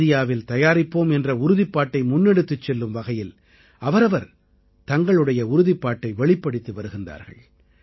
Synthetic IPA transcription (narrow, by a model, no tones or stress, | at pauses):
ɪjaːʋɪlt̪ɐjaːɾɪpːoːmɛndrɐʊɾɯðɪpːaːʈːɐɪmʊnːɛɽɯt̪ːɯt͡ʃːɛlːɯmʋɐɣɐjɪl | ʔɐʋɐɾɐʋɐɾ | t̪ɐŋɡɐɭɯɽɐjɐʊɾʊðɪpːaːʈːɐɪʋɛɭɪpːɐɽɯt̪ːɯʋɐɾɯɣɪnd̪a̰ːɾɣɐ̰ɭ